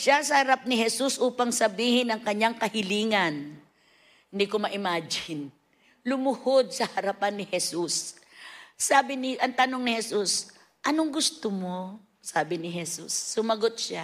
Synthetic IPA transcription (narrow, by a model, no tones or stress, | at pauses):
ʃasɐhɐɾap̚nɪɦɛsusʔuːpɐŋsɐbiːhɪnɐŋkɐɲaŋkɐhɪliːŋɐn | nd̪ikomɐʔɪmaːd͡ʒɪn | lʊmʊhod̪̚sɐhɐɾɐpanːɪhɛsusː | aːbɪnɪʔɐŋt̪ɐnoŋnɪhɛsus | ʔɐnoŋɡʊst̪omo | saːbɪnɪɦɛsṵsːʊmɐɡot̪̚ʃa